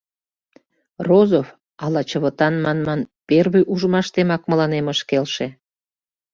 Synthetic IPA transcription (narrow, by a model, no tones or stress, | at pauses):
rozof | ɑlɑt͡ɕəβə̆t̪ɑnmɑnmɑnperβyʔuʒəmɑʃt̪emɑkməlɑneməʃkelʃe